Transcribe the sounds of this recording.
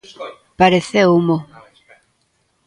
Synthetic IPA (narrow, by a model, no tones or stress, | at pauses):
paɾeθeumo